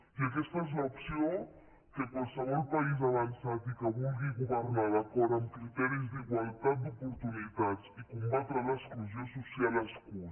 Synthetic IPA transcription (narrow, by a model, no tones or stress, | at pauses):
iəkɛst̪əezləupsio | kəkwalˠsəβɔlˠpəizəβənsat̪ikəβulˠɣiɣuβərnaðəkɔɾəmkɾit̪ɛɾizd̪iɣwəlˠt̪at̪̚d̪upuɾt̪unit̪ad͡zikumbat̪ɾələskluziosusialəsku